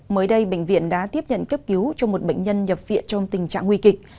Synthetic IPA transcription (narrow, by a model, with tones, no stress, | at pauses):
məː˨˦jɗə˧jɓḛ˧˨ŋ̟vḭ˧˨ənɗa̰ː˧˥t̪i˦˥əp̚ɲə̰˧˨nkə˦˥p̚ki˨˦wt͡ɕɔ˧mo˨˩t̚ɓḛ˧˨ŋ̟ɲə˧nɲə˨˩p̚vḭ˧˨ənt͡ɕɔ˧wŋ͡mt̪ï˨˩ŋ̟t͡ɕa̰ː˧˨ŋwi˧kï˨˩k̟̚